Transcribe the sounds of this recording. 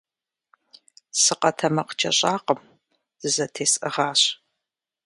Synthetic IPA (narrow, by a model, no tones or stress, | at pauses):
sɨqɐtʰɐmɐqt͡ʃʼɐɕʼaːqəm | ɨzɐtʰeːsʔɨʁɑːɕ